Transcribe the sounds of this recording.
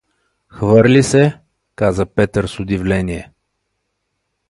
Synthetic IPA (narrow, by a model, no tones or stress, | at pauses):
xvɤɾlʲisɛ | kazəpɛt̪əɾsʊd̪ivlɛnʲiɛ